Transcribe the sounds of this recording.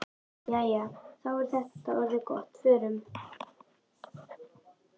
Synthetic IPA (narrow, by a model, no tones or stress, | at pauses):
jajaθawvɔɾ̥θɛht̪aœɾvʏkɔht̪fʏːɾʏm